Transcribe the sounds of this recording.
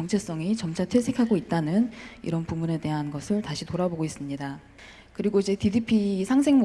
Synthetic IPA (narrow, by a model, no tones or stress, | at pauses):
ʌŋt͡ɕʰes͈ʌŋit͡ɕʌmt͡ɕʰatʰwe̞sʰe̞kʰaɡoit̚t͈anɯnḭɾʌnpumune̞de̞ɦanɡʌsʰɯɭtaɕʰitoɾaboɡois͈ɯmɲida | kɯɾiɡoid͡ʑe̞tidipʰisʰaŋs̬ʰeŋmo